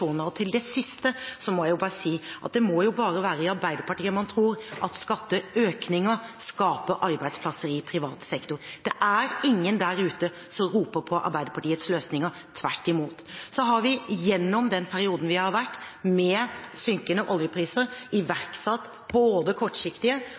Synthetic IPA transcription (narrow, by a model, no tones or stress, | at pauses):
uːnəɾɔt̪ʰɪld̪ɛsɪst̪əsɔmɔjæɪjʊbɑːɾəsiːʔɑ̰t̪̚d̪ɛmɔjʊbɑːɾəʋæːɾəɪɑɾbæɪd̪əɾpɑʈiːəmɑnt̪ʰɾuːɾʔɑt̪skɑt̪ːəøːknɪŋəskɑːpəʔɑɾbæɪd̪spʰlɑsəɾiːpʰɾɪʋɑːt̪ə̥sɛkt̪ʊɾd̪ɛʔæɾɪŋːənd̪æɾʉːt̪ə | sɔɾuːpəɾpʰɔʔɑ̰ɾbæɪd̪əɾpʰɑʈiːət̪sløːsnɪŋə | t̪ʰʋæ̰ʈːɪmuːt̪sɔɦɑɾʋɪjɛnːɔmd̪ɛnpʰæɾɪuːd̪n̩ʋɪhɑɾʋæʈːmɛsʏŋkənəʔɔljəpʰɾiːsəɾɪʋæɾksɑt̪ː | boːd̪əkʰɔʈːʂɪkt̪ɪə